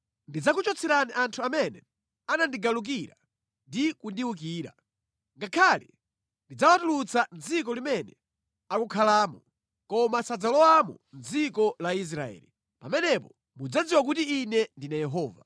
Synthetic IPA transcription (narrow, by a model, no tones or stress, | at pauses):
ndid͡zakut͡ʃɔt͡sʰɛɾaniʔantʰuamɛnɛ | anandiɡaluk̬iɾa̰ | ndikundiwuk̬iːɾa̰ | ŋɡakʰalḭ | ndid͡zawatulut͡sʰand͡zik̬ɔlimɛnɛ | akukʰalaːmɔ | kɔmasad͡zalɔwamɔ̰nd͡zikɔlais̬ɾaɛ̰ːli | pamɛnɛpɔ | mud͡zad͡ziwak̬utiːnɛndinajɛɦɔːva